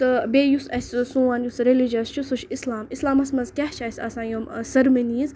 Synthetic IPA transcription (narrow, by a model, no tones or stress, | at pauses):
t̪ɨbeːjusɐsʲsũːanjusɾelid͡ʒɐst͡ʃʰusuʃislaːmislaːmɐsmɐzkʲɛht͡ʃʰɐsʲɐ̰sãːjomsɐɾmɐniːz